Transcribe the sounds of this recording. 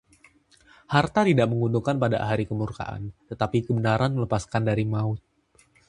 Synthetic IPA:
hart̪at̪idaʔməŋunduŋkanpada̰ɦaɾikəmurka̰ʔa̰nt̪ət̪apikəbənaɾanmələpaskandaɾimaʊt̪̚

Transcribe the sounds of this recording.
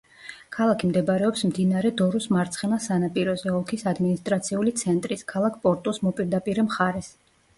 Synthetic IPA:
kʰalˠakʰimd̪ɛbɾɛɔpsmd̪inaɾɛd̪ɔɾusmaɾt̪sʰχɛnasanapʼiɾɔzɛɔkʰisad̪minist̪ʼɾat̪sʰiulit̪sʰɛnt̪ʼɾiskʰalˠakʰpʼɔɾt̪ʼusmɔpʼiɾd̪apʼiɾɛmχaɾɛs

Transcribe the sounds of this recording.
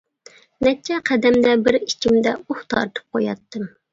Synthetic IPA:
nɛt͡ʃʰɛqʰɛd̪ɛmd̪ɛbɪɾit͡ʃʰimd̪ɛuχt̪ʰɑ̰ɾɨt̪ʰɨ̥p̚qʰojɑ̰t̪ːɨm

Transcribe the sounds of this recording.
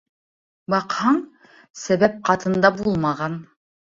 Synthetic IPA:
bɑqhɑɴ | sæβæp̚qɑt̪ɤ̆nd̪ɑbulˠmɑʁɑn

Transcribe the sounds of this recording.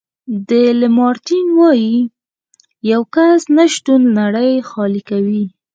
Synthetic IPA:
d̪əlɪmɑɾt̪inwɑji | jawkasnaʃt̪unːaɽəjxɑlikawi

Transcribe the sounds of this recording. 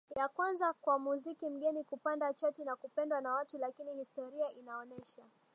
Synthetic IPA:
jakwanzakwamuzikim̩ɠɛnikupandat͡ʃatinakupɛndwanawatulakinihistɔɾiaʔinaɔnɛʃa

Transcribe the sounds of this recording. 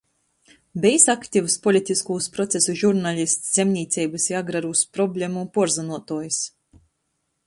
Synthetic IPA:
bʲɛsakt̪ʲivuspɔlʲit̪ʲiskuːspɾɔt̪sʲesuʒuɾnalʲist̪sz̥ʲɛmʲnʲiːt̪sʲɛjbɨsjaɡɾaɾuspɾɔbʲlʲemupuɔɾzanuɔt̪uɔjs

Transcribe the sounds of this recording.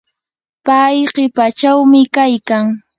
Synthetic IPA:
pajɢepat͡ʃawmɪkajkaŋ

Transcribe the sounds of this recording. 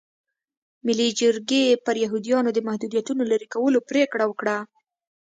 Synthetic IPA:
mɪlid͡ʒəɾɡepəɾjaɦud̪ijɑnod̪əmahd̪ud̪jat̪unolaɾikawəlopɾekɽawəkɽa

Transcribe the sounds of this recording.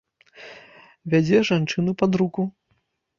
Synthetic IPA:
vʲad͡zʲɛʐant͡ʂɨnupad̪ɾuku

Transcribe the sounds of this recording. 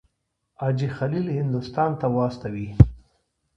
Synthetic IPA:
ɑd͡ʒixalilhɪnd̪ʊst̪ɑnt̪awɑst̪awi

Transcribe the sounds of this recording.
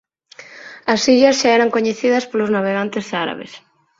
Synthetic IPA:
ɐsiʎɐsʃaeɾaŋkoɲeθiðɐspoloznaβ̞eɣant̪esaɾa̰βḛs

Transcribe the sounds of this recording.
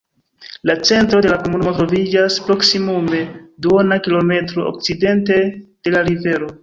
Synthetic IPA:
lat͡se̞ntɾo̞de̞lakomunumotɾo̞vid͡ʒaspɾo̞ksimume̞duonakilo̞me̞tɾo̞ʔo̰k̚t͡side̞nte̞d̥e̞laɾive̞ɾo̞

